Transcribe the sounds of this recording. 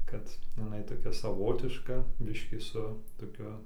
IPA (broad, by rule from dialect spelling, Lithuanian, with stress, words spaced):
kɐt jɪˈnɐɪ toːˈkʲɛ sɐˈʋoːtʲɪʃkɐ ˈbʲɪʃʲkʲiː sʊ toːˈkʲʊ